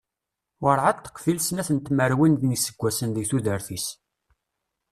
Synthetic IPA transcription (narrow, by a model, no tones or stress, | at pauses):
wəɾˤʕadθə̥qːfilsnæθənt̪məɾwinðnisːə̥ɡʷːæsənðəɡθuðəɾθis